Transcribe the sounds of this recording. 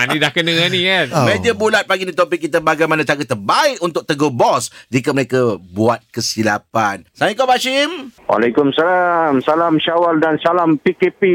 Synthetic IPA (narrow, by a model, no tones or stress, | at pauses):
anidahkənə̃anĩkanmẽdiəbulat̪̚paɡinit̪ɔpɪk̚ːit̪abaɡajmãnãt̪aɡət̪ərbaɪkunt̪ʊk̚t̪əɡobɔsd͡ʒikaməɾekabuat̪̚kəsila̰pansanikɔbaʃɪmwʔa̰lajkʊmsalamsalamʃawaldansalampikepi